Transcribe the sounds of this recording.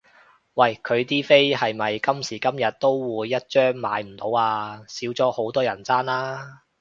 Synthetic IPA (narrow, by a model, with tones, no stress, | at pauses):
wɐ˥˨˩jkʰɵ˨˧ɥt̪iː˥fe˥jhɐ˨jmɐ˨jkɐ˥msiː˨˩kɐ˥mjɐ˨t̚t̪o˥wwuː˨˧jːɐ˥t̚t͡ʃœː˥ŋma̰ː˨˧jm̩˨˩t̪o˨˧˥waː˧siː˨˥wt͡sɔː˨˥ho˨˥wt̪ɔː˥jɐ˨˩nt͡saː˥nlaː˥